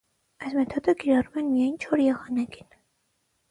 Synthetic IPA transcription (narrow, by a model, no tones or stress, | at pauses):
ɛsmɛt̪ʰɔd̪ɛɡiɾaɾumɛnmiajnt͡ʃʰɔɾijɑʁɑnɛɡin